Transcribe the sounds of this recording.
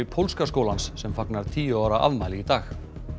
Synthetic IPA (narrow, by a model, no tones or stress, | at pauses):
ɪpʰowlskaskowlansːɛmfaknaɾ̥t̪ʰiːjʏaːwɾaʔa̰vmaːjlɪɣit̪aːx